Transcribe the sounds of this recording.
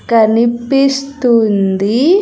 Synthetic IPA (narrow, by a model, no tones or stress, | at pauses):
kɐnipist̪und̪i